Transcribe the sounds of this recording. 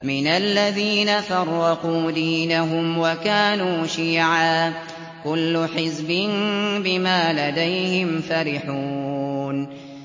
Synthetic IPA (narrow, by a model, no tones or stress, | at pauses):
mɪnalːaðiːnafɑrˤːɑquːd̪iːnaɦʊmwakaːnuːʃiːʕaː | kʊlːʊħɪzbɪnbɪmaːlad̪ajhɪmfaɾɪħuːn